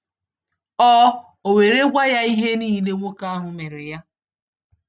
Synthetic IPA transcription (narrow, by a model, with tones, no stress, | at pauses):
ɔ˦ | o˨we˨ɾe˦ɡʷa˦ja˦i˦ɦe˦niː˦˨le˦ŋʷo˦ka˦a˦ɦʊ˨me˨ɾɪ˨ja˦